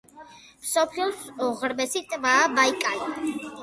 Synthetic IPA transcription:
msɔpʰliɔsɔʁɾmɛsit̪ʼmaːbaikʼai

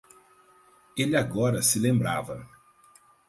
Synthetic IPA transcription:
elɪaɡɔɾɐsɪlẽmbɾavɐ

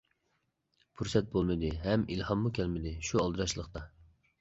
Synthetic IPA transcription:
pʰuɾsɛt̪̚bolˠmɨd̪ɨɦɛmilhɑmːukʲʰɛlmɪd̪ɪʃuɑlˠd̪ɨɾɑʃlˠəqt̪ɑ

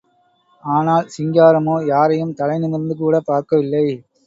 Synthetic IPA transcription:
aːnaːlsɪŋɡaːɾɐmoːjaːɾɐjɯmt̪ɐlɐɪnɪnɪɾnd̪ɯk̬uːɽɐpaːɾkɐʋɪlːɐɪ

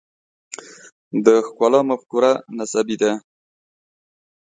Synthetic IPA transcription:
d̪əxkɑlɑmafkuɾanasabid̪a

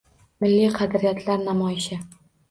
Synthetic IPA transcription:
mɪlːijqʰɑd̪ɾijat̪ʰlaɾnamɒjɪʃɪ

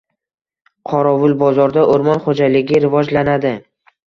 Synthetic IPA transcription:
qʰɒɾɒvʊlˠbɒzɒɾd̪aʔʊɾmɒnχod͡ʒalɪɡʲɪɾɪvɒd͡ʒlanad̪ɪ

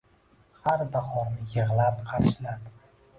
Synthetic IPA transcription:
haɾbaχɒɾmɪjɨʁlˠapqʰɑɾʃlap

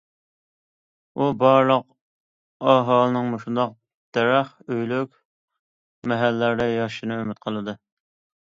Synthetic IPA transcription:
ubɑɾlˠəq | ɑɦɑlˠɨnɨŋmoʃund̪ɑq̚ | d̪̥ɛɾæχøjlykʲ | mɛɦælːæɾd̪ɛjɑʃɨnɨømɪt̪̚qʰəlˠɨd̪ɨ

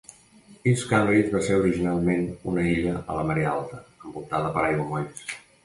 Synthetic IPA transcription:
iskamɾizβaseuɾiʒinalˠmenunəiʎəə̰ləməɾialˠt̪əəmbulˠt̪aðəpəɾajɣumoʎs

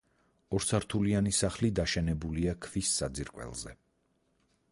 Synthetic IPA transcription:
ɔɾsaɾt̪ʰulianisaχlid̪aʃɛnɛbuliakʰvisːad̪ziɾkʼwɛ̰lˠzɛ̰

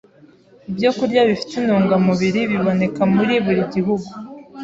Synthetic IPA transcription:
ibjo̞kuɾɟaβifi̥t̪inuːŋɡamuβiɾiβiβo̞ne̞kamuɾiβuɾiɟiɦuɡu

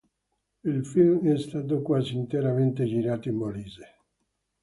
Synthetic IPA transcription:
ilfilmɛst̪aːt̪̬okwaːziːnt̪eɾament̪ed͡ʒiɾaːt̪oimboliːze

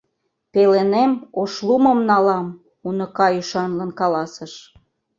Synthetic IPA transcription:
pelenemoʃluməmnɑlɑm | unŏkɑjyʃɑnlə̆nkɑlɑsəʃ

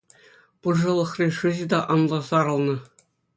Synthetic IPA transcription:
pɯrʐɤ̆lˠɤ̆χrʲiʂɯʑɘ̆d̪ɑʔɑnlˠɑzɑɾɤ̆lˠnɤ̆

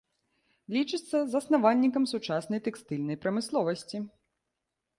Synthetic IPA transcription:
lʲit͡ʂɨt̪sːɐzɐsnavanʲːikɐmsut͡ʂasnɐjt̪ɛkst̪ɨlʲnɐjpɾɐmɨslˠɔvɐsʲt͡sʲi

